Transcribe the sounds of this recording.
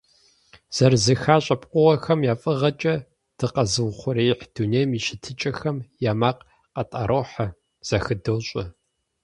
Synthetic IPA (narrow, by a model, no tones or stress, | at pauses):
z̥ɐrzɨxaːɕʼɐpʼqʷʊʁɐxɐmjaːfʼɨʁɐt͡ʃʼɐ | d̥ɨqɐzɨwχʷʊɾeːjħd̥uneːjmiʃɪtʰɨt͡ʃʼɐxɐmjaːmaːq | qɐtʼa̰ːɾoːħɐ | z̥ɐxɨdoːɕʼɐ